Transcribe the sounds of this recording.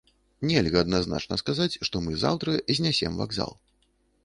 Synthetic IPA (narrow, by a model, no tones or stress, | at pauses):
nʲɛlʲɣɐːd̪nazna̰t͡ʂnɐskazat͡sʲʂt̪ɔmɨza̰wt̪ɾɐzʲnʲasʲɛmva̰ɡza̰lˠ